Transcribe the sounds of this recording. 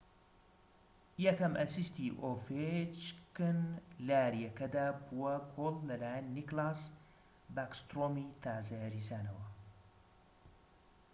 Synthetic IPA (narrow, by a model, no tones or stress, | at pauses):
jɐkɐmʔɐsist̪iʔofet͡ʃkɨnlaːɾijɐkɐd̪aːbuwɐkʰolːɐlaːjɛnːiklas | bakst̪ɾoːmit̪ʰaːzɐjɐɾizaːnɐwɐ